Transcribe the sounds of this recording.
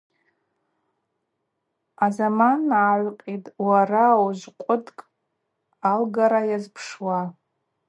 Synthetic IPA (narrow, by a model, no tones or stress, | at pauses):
azamanaːʕʷqʲʼitʼwarawʒʷqʷʼʊdkʼ | alɡaɾajazpʰʂwa